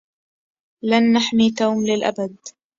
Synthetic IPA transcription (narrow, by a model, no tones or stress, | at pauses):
lanːaħmit̪aːmlɪlʔa̰bad̪̚